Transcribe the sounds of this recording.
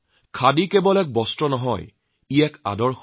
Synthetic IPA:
kʰadikebɔlɛk̚bɔstɹɔnɔɦɔ̰j | iɛka̰dɔɹx

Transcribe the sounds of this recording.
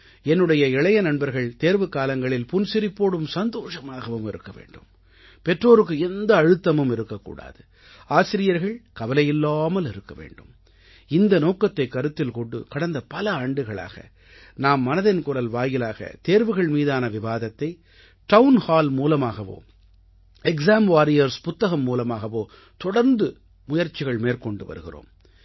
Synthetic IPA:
ɛnːɯɽɐjɐɪɭɐjɐnɐɳbɐɾɣɐɭt̪eːɾʋɯkːaːlɐŋɡɐɭɪlpʊnsɪɾɪpːoːɽɯmsɐnd̪oːʂɐmaːɣɐʋɯmɪ̰ɾɯ̰kːɐʋḛːɳɖɯ̰m | pɛʈroːɾɯk̬ːɯɛnd̪ɐːɻɯt̪ːɐmɯmɪɾɯkːɐkːṵːɽa̰ːðɯ | aːsɪɾɪjɐɾɣɐɭkɐʋɐlɐjɪlːaːmɐlɪɾɯkːɐʋḛːɳɖɯm | ɪnd̪ɐnoːkɐt̪ːɐɪkːɐɾɯt̪ːɪlkɔɳɖɯ̰kɐɽɐnd̪ɐpɐlɐaːɳɖɯɣɐɭa̰ːɣɐ̰ | naːmːɐnɐðɐnkʊɾɐlʋaːjɪlaːɣɐ̰t̪eːɾʋɯɣɐɭmiːðaːnɐʋɪʋaːðɐt̪ːɐɪ | ʈɐʋʊnhaːlmuːlɐmaːɣɐʋo̰ː | ɛksaːmʋaːɾɪjɐɾspʊt̪ːɐɣɐmːuːlɐmaːɣɐʋoː | t̪ɔɽɐɾnd̪ɯ | mʊjɐɾt͡ʃːɪɣɐɭmeːɾkɔɳɖɯʋɐ̰ɾɯɣɪ̰ro̰ːm

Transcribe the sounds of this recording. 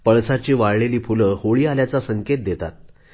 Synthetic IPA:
pəɭsat͡ɕiːʋaɭɭeliːpuləhoɭiːaljat͡sasəŋket̪̚d̪et̪a̰t̪̚

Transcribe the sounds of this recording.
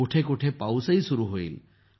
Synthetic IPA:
oʈʰekoʈʰepawsəjsuɾuɦoil

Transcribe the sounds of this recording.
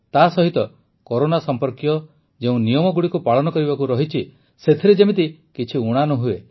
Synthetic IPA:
t̪asɔɦit̪ɔ | kɔɾonasɔmpɔɾkjɔ | d͡ʒeũnijɔmɔɡuɽikupaɭɔnɔkɔɾibakuɾɔɦit͡ʃʰi | set̪ʰiɾed͡ʒemit̪̬ikit͡ʃʰiuɽ̃anɔɦue

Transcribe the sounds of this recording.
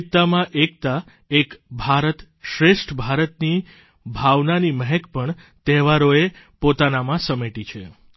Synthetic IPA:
t̪ːamãʔek̚t̪a | ekbʱaɾət̪ | ʃɾeʃʈʰbʱaɾət̪ni | bʱaʋnaniməɦɛkpəɳ | t̪eʋaɾoe | pot̪anamãsəmeʈit͡ʃʰe

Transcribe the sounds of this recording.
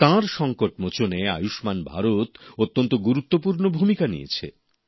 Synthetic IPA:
t̪ãɾʃɔŋkoʈmot͡ɕonea̰juʃmanbʱa̰ɾot̪ot̪ːont̪oɡuɾut̪ːopuɾnobʱumikanḭḛt͡ɕʰḛ

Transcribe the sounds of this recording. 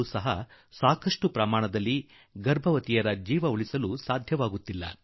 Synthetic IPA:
usɐɦɐ | saːkʰɐʂʈupɾɐmaːɳɐd̪ɐlːi | ɡɐɾbʱɐʋɐt̪ijɐɾɐd͡ʒiːʋɐuɭisɐlusaːd̪ʱjɐʋaːɡut̪ːilːɐ̰

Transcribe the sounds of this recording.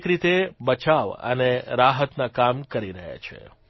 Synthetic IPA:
kɾit̪ebət͡ʃaʋə̰neɾaɦət̪nakamkəɾiɾəɦja̰t͡ʃʰḛ

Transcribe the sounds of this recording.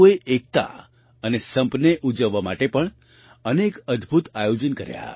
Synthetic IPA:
eʔek̚t̪a̰ | ənesə̃mpneʔud͡ʒəʋama̰ʈepəɳ | ənekəd̪ʱbʱut̪ajod͡ʒənkəɾja̰

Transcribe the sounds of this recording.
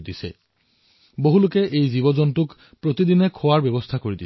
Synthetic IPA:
disɛ̰ | boɦulʊkɛʔejzibɔzɔntʊk | pɹot̪idinɛkʰɔwaɹbɛbɔstʰakoɹidi

